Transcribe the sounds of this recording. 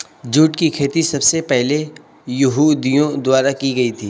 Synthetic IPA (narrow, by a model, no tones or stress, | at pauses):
d͡ʒuːʈkikʰeːt̪isɐbsepɛɦle | jʊɦud̪ijõd̪ʊaːɾakiɡɐit̪ʰiː